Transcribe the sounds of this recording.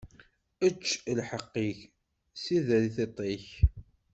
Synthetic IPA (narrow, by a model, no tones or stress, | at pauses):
ət͡ʃːlħəqːiç | siðɾiθet̪ˤeç